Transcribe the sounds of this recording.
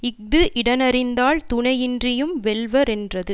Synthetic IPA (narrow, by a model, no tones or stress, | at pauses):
ɪk̚d̪ɯʔɪɽɐnɐrɪnd̪aːɭt̪ʊɳɐjɪndrɪjɯmʋɛlʋɐɾɛndrɐðɯ